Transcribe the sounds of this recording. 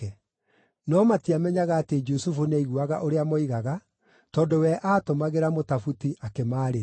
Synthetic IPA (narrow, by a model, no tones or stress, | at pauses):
ɛ | nɔmatiamɛɲaɣaːted͡ʒusufuneiɣuaɣa̰ʔoɾeamɔiɣaɣa | tɔːndowɛʔaːtomaɣeɾamotafutiʔakemaːɾe